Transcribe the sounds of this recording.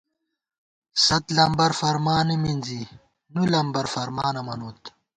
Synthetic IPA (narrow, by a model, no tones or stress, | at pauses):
sɐt̪lɐmbɐɾfɐɾmaːniminzi | nulɐmbɐɾfɐɾmaːnɐmɐnuːt̪